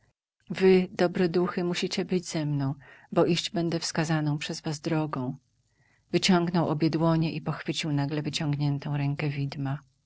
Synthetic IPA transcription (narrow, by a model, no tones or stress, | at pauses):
vɘd̪ɔbɾɛd̪uxɘmuɕit͡ɕɛbɘd͡ʑz̥ɛmnɔ̃w̃bɔʔiɕd͡ʑbɛnd̪ɛfskazanɔ̃w̃pʂɛzvazd̪ɾɔɡɔ̃w̃ | vɘt͡ɕɔŋɡnɔwʔɔbʲjɛd̪wɔɲɛʔipɔxfɘt͡ɕiwnaɡlɛvɘt͡ɕɔ̃ŋɡɲɛnt̪ɔ̃w̃ɾɛŋkɛvʲid̪ma